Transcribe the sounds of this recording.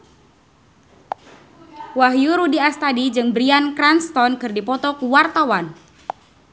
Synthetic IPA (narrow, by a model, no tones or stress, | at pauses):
waɦjuɾudiast̪adid͡ʒɨŋbɾiankɾanst̪ɔnkɨrdipɔt̪ɔkuwart̪awan